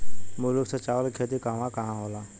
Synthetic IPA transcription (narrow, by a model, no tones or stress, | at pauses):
mʊlʊksət͡ʃaːwlkʰeːt̪ikaːmãkɐɦãɦoːlaː